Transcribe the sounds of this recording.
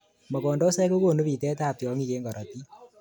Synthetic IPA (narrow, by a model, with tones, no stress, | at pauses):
mɔ˨kɔ˨ndɔ˦sɛ˦ko˦ko˨nu˦pi˨tɛ˦ta˦˨p̚tjɔ˨˦ŋi˦˨ke˦ŋɡɔ˨ɾɔ˨ti˦